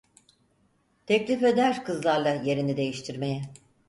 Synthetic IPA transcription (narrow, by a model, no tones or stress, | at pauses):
t̪ʰɛclʲife̞d̪æɾkʰɯzlˠaɾlˠaje̞ɾinid̪e̞jiʃt̪ʰiɾme̞jɛ